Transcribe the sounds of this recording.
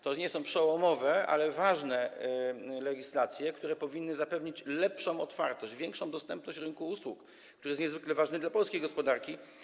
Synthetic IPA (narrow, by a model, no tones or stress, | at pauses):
t̪ɔɲɛsɔ̃w̃pʂɛwɔmɔvɛa̰lɛvaʐnɛ | lɛɡʲislat̪sʲjɛkt̪uɾɛpɔvʲinːɘzapɛvɲit͡ɕlɛpʂɔ̃w̃ɔt̪faɾt̪ɔɕd͡ʑvʲjɛŋkʂɔ̃w̃d̪ɔst̪ɛmpnɔɕt͡ɕɾɘŋkuuswuk | kt̪uɾɘjɛst̪ɲɛzvɘklɛvaʐnɛd̪lapɔlskʲejɡɔspɔd̪aɾkʲi